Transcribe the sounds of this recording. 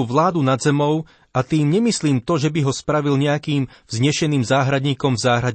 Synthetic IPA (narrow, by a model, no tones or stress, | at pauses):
uʋlaːd̪unad̪zɛmɔʊ | ʔat̪iːmɲɛmisliːmt̪ɔʒɛbiɦɔspɾaʋilɲɛakiːmvzɲɛʃɛniːmzaːɦɾad̪ɲiːkɔmvzaːɦɾa